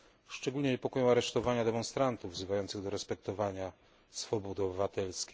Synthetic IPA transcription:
ʂt͡ʂɛɡulɲɛɲɛpɔkɔjɔ̃w̃aɾɛʂt̪ɔvaɲad̪ɛmɔ̃nst̪ɾant̪uvːzɘvajɔnt̪sɘɣd̪ɔɾɛspɛkt̪ɔvaɲa | sfɔbɔd̪ɨɔbɘvat̪ɛlskʲi

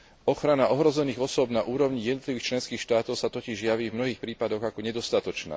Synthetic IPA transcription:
ɔxɾanaʔɔɦɾɔzɛniːɣɔsʊɔbnaʔuːɾɔʊɲijɛd̪nɔt̪liʋiːxt͡ʃlɛnskiːxʃt̪aːt̪ɔʊsat̪ɔciʒjaʋiːvmnɔɦiːxpɾiːpad̪ɔɣakɔɲɛd̪ɔst̪at̪ɔt͡ʃna̰ː

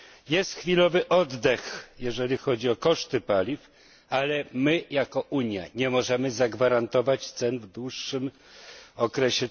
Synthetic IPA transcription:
jɛst̪xfʲilɔvɘʔɔd̪ːɛxjɛʐɛlʲixɔd͡ʑiɔkɔʂt̪ɘpalʲif | alɛmɘjakɔʔuɲja̰ɲɛmɔʐɛmɘzaɡvaɾant̪ɔvat͡ɕt̪sɛnvd̪wuʂːɘm | ɔkɾɛɕɛ

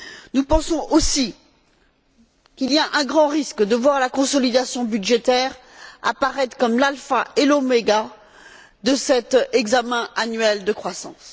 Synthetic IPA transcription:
nupɑ̃sɔ̃ʔosi | kʲiliaʔɛ̃ɡʁɑ̃ʁiskd̪əvwaʁlakɔ̃sɔlid̪asjɔ̃byd̪ʒet̪ɛʁ | a̰paʁɛt̪χkɔmlalfaelomeɡa | d̪əsɛt̪ɛɡzamɛ̃anɥɛld̪əkχwasɑ̰̃s

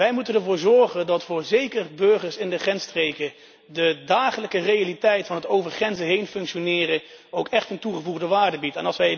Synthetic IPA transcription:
ʋɛjmutənɛɹvʊːɹzɔɹχəndɑtfʊːɹzejkərbɵɹχəɹsɪndəχrɛnstrejkə | dədaːχələkərejalitɛjtfɑnɦətowvəɹχrɛnzəɦejnfɵŋkʃonɪːrə | owkɛχtəntuχəvuχdəʋaːɹdəbitɛ̰nɑlˠsʋɛj

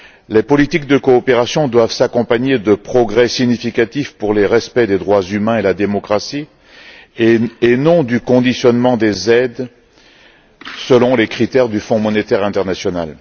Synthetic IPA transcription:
lepɔlit̪ik̚d̪əkɔːpeʁasjɔ̃d̪wavsakɔ̃paɲed̪əpχɔɡʁɛsiɲifikat̪ifpuʁleʁɛspɛd̪ed̪ʁwazymɛ̃elad̪emɔkχasi | enɔ̃d̪ykɔ̃d̪isjɔnmɑ̃d̪ezɛd̪ | səlɔ̃lekχit̪ɛʁd̪yfɔ̃mɔnet̪ɛʁɛ̃t̪ɛʁnasjɔna̰l

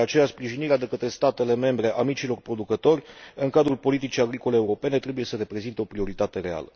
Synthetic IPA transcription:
eat͡ʃe̞jaspɾiʒiniɾead̪e̞kət̪ɾe̞st̪at̪e̞le̞me̞mbɾe̞ʔamit͡ʃilo̞rpɾo̞d̪ukət̪o̞rʲɨŋkad̪ɾulpo̞lit̪it͡ʃijaɡɾiko̞leːuɾo̞pe̞ne̞t̪ɾe̞buje̞səɾe̞pɾe̞zint̪eo̞pɾio̞ɾit̪at̪e̞ɾe̞a̰lə

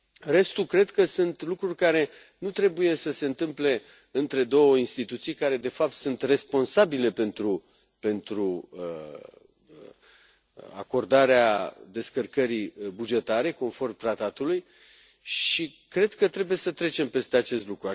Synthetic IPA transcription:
re̞st̪ukɾe̞d̪kəsunt̪lukɾurʲkaɾe̞ | nut̪ɾe̞buje̞səse̞ɨnt̪ɨmple̞ | ɨnt̪ɾe̞d̪o̞wəinst̪it̪ut̪sijkaɾe̞d̪e̞fap̚t̪sunt̪re̞spo̞nsabile̞pe̞nt̪ɾu | pe̞nt̪ɾuə | a̰ko̞rd̪aɾead̪e̞skərkəɾibud͡ʒe̞t̪aɾe̞ko̞nfo̞rmt̪ɾat̪at̪uluj | ʃikɾe̞d̪kət̪ɾe̞buje̞sət̪ɾe̞t͡ʃe̞mpe̞st̪eat͡ʃe̞st̪lukɾua

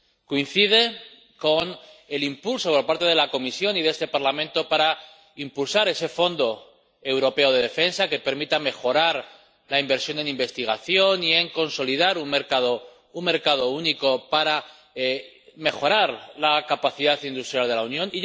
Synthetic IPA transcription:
koin̟θið̞e̞ | ko̞ne̞limpulso̞po̞ɾpaɾt̪e̞ð̞e̞lako̞misjo̞niðe̞st̪e̞paɾlamẽnt̪o̞paɾa | impulsaɾe̞se̞fo̞nd̪o̞ | e̞wɾo̞pe̞o̞ð̞e̞ð̞e̞fe̞nsake̞pe̞ɾmit̪ame̞xo̞ɾaɾ | laimbe̞ɾsjo̞ne̞nimbe̞st̪iɣ̞aθjo̞nie̞ŋko̞nso̞lið̞aɾumme̞ɾkaðo | umme̞ɾkað̞o̞uniko̞paɾa | me̞xo̞ɾaɾlakapaθiðaθind̪ust̪ɾjalðe̞launjõ̞ni

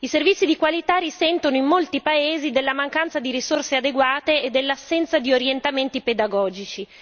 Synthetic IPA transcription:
iservit̪sːid̪ikwalit̪arisɛnt̪onoimːolt̪ipaeːzid̪elːamaŋkant̪sad̪iɾisorsead̪eɡwaːt̪eed̪ːelːasːɛnt̪sad̪ioɾjent̪ament̪iped̪aɡɔːd͡ʒit͡ʃi

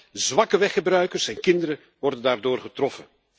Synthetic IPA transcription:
zʋɑkəʋɛχəbrœɥkərsɛnkɪndəɾə | ʋɔrdəndaːrdoːrχətrɔfən

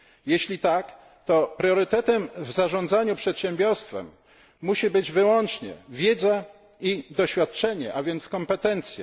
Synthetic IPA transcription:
jeɕlʲit̪ak | t̪ɔpɾjɔɾɘt̪ɛt̪ɛmvzaʐɔ̃nd̪zaɲupʂɛt̪ɕɛmbʲjɔɾst̪fɛ̰mː | uɕibɘd͡ʑvɘwɔnt͡ʂɲɛ̰vʲjed̪za | id̪ɔɕfʲjat̪̚t͡ʂɛɲɛ̰ʔavʲjɛnt̪skɔmpɛt̪ɛnt̪sʲjɛ̰

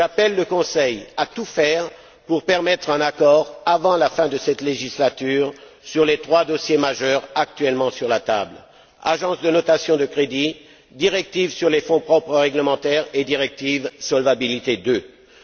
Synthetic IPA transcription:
ʒapɛlːəkɔ̃sɛjat̪ufɛʁ | puʁpɛʁmɛt̪χɛ̃nakɔʁavɑ̃lafɛ̃d̪əsɛt̪leʒislat̪yʁ | syʁlet̪χwad̪ɔsjemaʒœʁak̚t̪ɥɛlmɑ̃syʁlat̪a̰bl | a̰ʒɑ̃sd̪ənɔt̪asjɔ̃d̪əkχed̪i | d̪iʁɛk̚t̪ivsyʁlefɔ̃pχɔpχəʁɛɡləmɑ̃t̪ɛʁed̪iʁɛk̚t̪ivsɔlvabilit̪ed̪ø

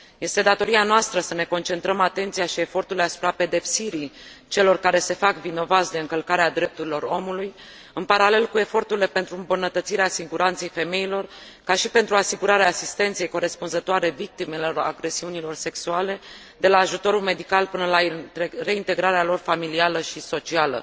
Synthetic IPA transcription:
je̞st̪e̞d̪at̪o̞ɾianoast̪ɾəsəne̞ko̞nt͡ʃe̞nt̪ɾəmat̪e̞nt̪sijaʃie̞fo̞rt̪urileasu̥pɾape̞d̪e̞psiɾit͡ʃe̞lo̞rkaɾe̞se̞fakvino̞vat̪sd̪e̞ɨŋkəlkaɾead̪ɾe̞p̚t̪uɾilo̞ɾo̞muluj | ɨnpaɾale̞lkue̞fo̞rt̪uɾile̞pe̞nt̪ɾuɨmbunət̪ət̪siɾeasiɡuɾant̪se̞jfe̞me̞ilo̞r | kaʃipe̞nt̪ɾuasiɡuɾaɾeaːsist̪e̞nt̪se̞jko̞ɾe̞spunzət̪oaɾe̞vik̚t̪ime̞lora̰ɡɾe̞siunilo̞rse̞ksuale̞ | d̪e̞laːʒut̪o̞ɾulme̞d̪ikalpɨnəlare̞int̪e̞ɡɾaɾealo̞rfamilialəʃiso̞t͡ʃialə̰

